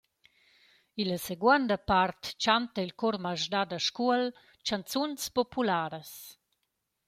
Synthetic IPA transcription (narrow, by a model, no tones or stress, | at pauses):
iləseɡwand̪əpart̪t͡ʃant̪əilkɔrmaʒdad̪aʃkuəl | t͡ʃant̪t͡sunspɔpʰulaːɾəs